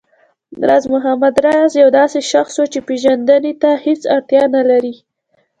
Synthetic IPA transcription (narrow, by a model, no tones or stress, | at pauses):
ɾazmʊɦamad̪ɾazjawd̪ɑseʃaxswot͡ʃepeʒand̪anet̪ahet͡sa̰ɾt̪jɑnalaɾi